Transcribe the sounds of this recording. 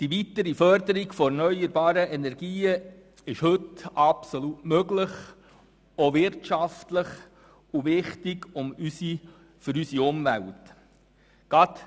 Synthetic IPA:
d̥iʋit̪əɾifœɾd̪əɾiɡfɔɛɾnœjəɾbɑːɾəʔɛnɛɾɡ̥iːə | ɪʃhɵtɑpsolutmøɡləχ | oʋɪɾtʃɑftləχ | uʋɪχtɪɡʊmysi | fʏɾysiʊmvælt | ɡ̥ɑt̪

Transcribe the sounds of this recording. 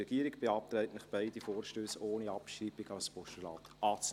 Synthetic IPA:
ɛɡ̥iəɾɪɡb̥eɑp̚t̪ɾɛɪtnɪχb̥aɪd̥ifoːɾʃtøːsoːniɑpʃɾiːbɪɡɑspɔʃtulɑ̰ːtʔɑːt͡s

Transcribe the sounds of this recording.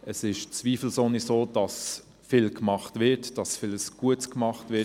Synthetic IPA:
əsɪʃt͡sviːfl̩sonisoːd̥ɑs | fɪlkmɑχtvɪtd̥ɑsfɪləsɡ̥uətskmɑχtvɪ

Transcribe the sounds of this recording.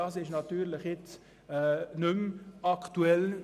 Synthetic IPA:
ɑːsɪʃnɑt̪yːɾləχjɪt͡s | ɛːnʏmɑktuɛl

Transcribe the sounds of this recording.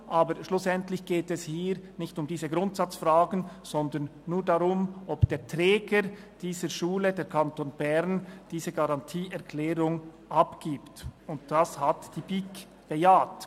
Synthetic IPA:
ʔaːbəɾʃlʊsɛntlɪçɡ̥eːtɛshiːɾnɪçtʊmdiːzəɡʁʊntsat͡sfrʁaːɡən̩z̥ɔndənːuːɐdaʁʊmʔɔbd̥eːɐtʁɛːɡəɾ | d̥iːzəʃuːlədeːɾkʰantoːnb̥ɛʁnd̥iːzəɡaʁɑntʰiːɛʁkʰlɛːɾʊŋ | ʔɑpɡ̥iːptʊntd̥ashatd̥iːbik | b̥ejaːt

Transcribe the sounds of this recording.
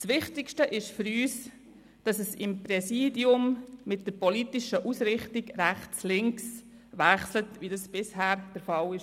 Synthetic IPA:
sʋɪχtɪkʃtəʔɪʃfʏɾyːs | d̥ɑsəsɪmpɾɛsiːdiʊmmɪt̚d̥əɾpɔlitɪʃəʔusɾɪχtɪɡɾæχt͡slɪŋks | ʋæχslətʋidɑsb̥ɪshæːɾd̥əɾfɑlɪʃ

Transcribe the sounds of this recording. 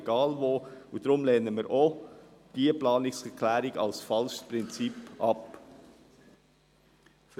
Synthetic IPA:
ɡ̥ɑːlvoːʊdɾʊmleːnəmiːɾʔo | d̥iːəplɑːnɪsɛkʰlæːɾɪɡɑ̰lsfɑlʃpʁɪnt͡sipʔɑp | f

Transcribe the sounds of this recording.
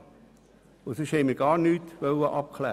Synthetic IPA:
ʊsɪʃhɛɪmiɾɡɑːɾnyːtʋœləʔɑp̚kʰlæː

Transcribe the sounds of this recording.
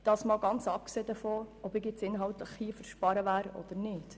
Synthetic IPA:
d̥ɑːsmɑːlɡɑnt͡sɑp̚kseːd̪əfoːɔbɪːkɪt͡sɪnɦɑwt̪ləχhiːfəɾʃpɑɾəʋæːɾɔ̰d̥̪ənɪːd̥

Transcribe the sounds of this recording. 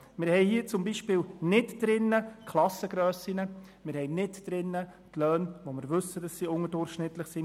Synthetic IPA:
mɪɾhɛɪhiːət͡sʊmbiːʃpɪːlnɪtd̥ɾɪnːəkʰlˠɑsəɡ̥ɾœːsinə | mɪːɾhɛɪnɪtd̥ɾɪnːə | tlœːnʋomɪɾʋɵsədɑsːiːʊŋədʊrχʃnɪt̪ləχsi

